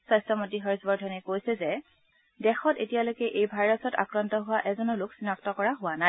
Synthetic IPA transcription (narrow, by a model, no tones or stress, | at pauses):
sajstɔmotiɦɔɹisbɔɹdʱɔnɛkojsɛzɛ | dɛxɔtetijalojkɛʔejbʱajɹɔsɔta̰kɹɔntɔɦʊwaʔɛzɔnɔlʊksinaktɔkɔɹaɦʊwanaj